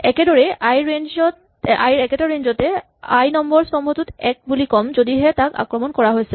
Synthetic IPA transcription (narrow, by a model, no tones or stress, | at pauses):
ɛkɛdɔɹɛajɹend͡ʒɔt | a̰jɹɛkɛtaɹenzɔtɛ | a̰jnɔmbɔɹsɔmɦɔtutɛk̚bulikɔmzodiɦɛtaka̰kɹɔmɔnkɔɹaɦojsɛ